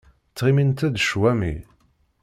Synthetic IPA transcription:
t͡sːʁimint̪æd̪ʃwæmḭ

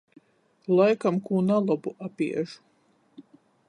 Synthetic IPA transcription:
lˠajkamkuːnalˠɔbuʔapḭɛʒu̥

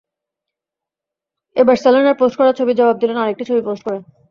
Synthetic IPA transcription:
ebaɾselonaɾposʈkɔɾaɾt͡ɕʰobid͡ʑɔbab̚d̪ilenaɾek̚ʈit͡ɕʰobiposʈ̚koɾe

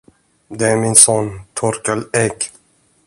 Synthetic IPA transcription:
d̪ɛæɾmɪnsɔnt̪ʰɔɾkalɛk

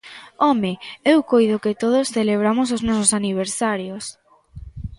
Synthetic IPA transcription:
ɔmeewkojðʊkɪt̪oðʊsθeleβ̞ɾamʊs̬oznɔsosaniβ̞eɾsaɾjos

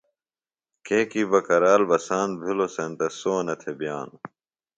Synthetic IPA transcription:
kʰekibɐkɐɾaːlbɐsaːnbʱilosɐnt̪ɐsoːnɐt̪ʰebijaːn

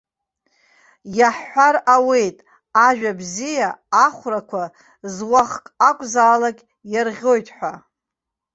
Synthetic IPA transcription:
jaħːʷaɾawe̞jtʼ | aʒᶣabzijaːχʷrakʷʰa | zwaχkʼakʷʼzaːlakʲ | jarʁʲo̞jtʼħʷᶣa

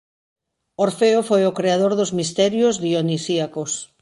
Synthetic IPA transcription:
oɾfeofojokɾeaðoɾðozmist̪ɛɾjozðionisiakos

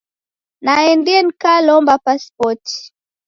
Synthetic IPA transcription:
naɛndiɛnikalɔmbapaspɔti̥

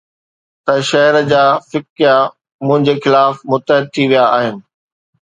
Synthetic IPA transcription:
t̪ɐʃɐɦɾəd͡ʑaːfɪkja | mʊ̃ɦɪ̃ɲd͡ʑexɪlaːfmʊt̪əɦɪd̪̚t̪ʰiʋijaːɦɪnɪ̆

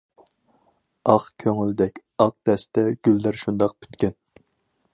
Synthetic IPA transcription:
ɑqkʲʰøŋyld̪ɛkʲ | ɑq̚d̪̥ɛsd̪ɛɡ̥ʲylːæɾʃund̪ɑq̚pʰy̥t̪kʲɛn

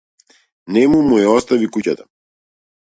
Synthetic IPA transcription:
nɛmumujɛɔst̪avikucat̪ḁ

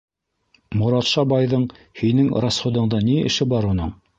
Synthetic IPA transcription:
mŭɾɑt̪ʃɑbɑjðɤɴ | hinɘŋɾɑsχŏd̪ɤ̆ɴd̪ɑniɘ̰̆ʃɘbɑɾunɤɴ

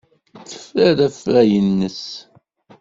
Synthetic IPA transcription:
θə̥fɾæɾæfɾæjənːəs

